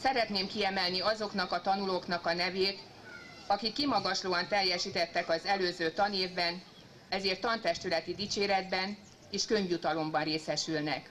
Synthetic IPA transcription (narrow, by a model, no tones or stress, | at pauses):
sɛɾɛt̪neːmkiɛmɛlniɒzo̞knɒkɒt̪ɒnuloːknɒkɒnɛveːt̪ | ɒkikːimɒɡɒʃloːɒnt̪ɛjːɛʃiːt̪ɛt̪ːɛkɒzɛløːzøːt̪ɒneːvbɛn | ɛzeːrt̪ːɒnt̪ɛʃt̪ylɛt̪id̪it͡ʃeːɾɛd̪bɛn | eːʃkø̞ɲvjut̪ɒlo̞mbɒnreːsɛʃylnɛk